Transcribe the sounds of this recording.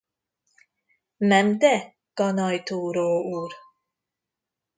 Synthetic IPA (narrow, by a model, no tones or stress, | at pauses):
mɛmd̪ɛ | ɡ̥ɔnɔjt̪ʰuːɾoːuːɾ